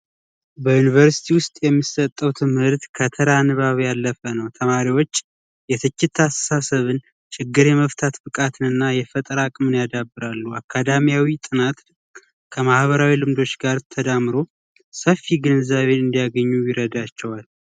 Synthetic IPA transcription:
bəjunivəɾsi̥t̪ʰiwʊst̪ʼjɛmːisət̪ʼːəwt̪ʰɨmhɨɾt̪kʰət̪ʰəɾanɨβaβjalːəfənəwt̪ʰəmaɾiwo̞t͡ʃː | jɛt̪ʰɨt͡ʃːɪt̪ʰːasə̥sasəβɨn | t͡ʃɪɡːɨɾjɛməft̪ʰat̪bɨkʼat̪ʰɨnɨnːajɛfət̪ʼɾakʼmɨnjad̪abːɨɾalːuakʰːad̪amijawit̪ʼɨnat̪ | kʰəmahβəɾawilɨmd̪o̞t͡ʃɡaɾt̪ʰəd̪amɾo̞ | səfːiɡɨnɨzaβe̞ɨnd̪ijaɡəɲːujɪɾəd̪at͡ʃːɛwal

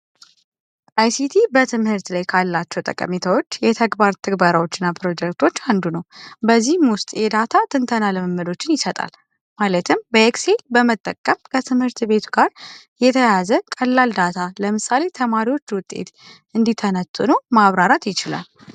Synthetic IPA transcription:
ajsit̪ʰibət̪ʰɨmhɨɾt̪lajkʰalːat͡ʃːɛwt̪ʼə̰kʼə̰mit̪ʰawo̞t͡ʃːjɛt̪ʰəɡbaɾt̪ʰɨɡbaɾawo̞t͡ʃːɪnːapɾo̞d͡ʒɛk̚t̪ʰo̞t͡ʃːand̪unəwbəzːihmwʊst̪ʼjɛd̪at̪ʰat̪ʰɨnt̪ʰənaləməmːəd̪o̞t͡ʃːɪnjɪsət̪ʼa̰l | malət̪ʰɨmbəekse̞lbəmət̪ʼːəkʼːəmkʰət̪ʰɨmhɨɾt̪be̞t̪ʰuɡaɾ | jɛt̪ʰəjazəkʼəlːald̪at̪ʰaləmɨsale̞t̪ʰəmaɾiwo̞t͡ʃːwʊt̪ʼːe̞̰t̪ | ɨnd̪it̪ʰːənət̪ʼɨnomaβɾaɾat̪jɪt͡ʃɪla̰l

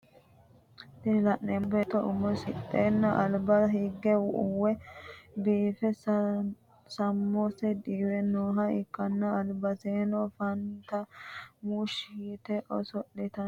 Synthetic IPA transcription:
d̪ɪlɐʔːɛmbɛt̪ɔʊmɔsɪt̪ʼːeːnːɐʔɐlbɐhɪɡːɛwʊʔʊwːɛbiːfɛs | sɐmːosɛd̪iːɾɛnoːɦɐɪkːɐnːɐːlbɐseːnɔfɐnt̪ɐmuʃiːt̪ɛʔɔsɔɗːɪt̪ɐ

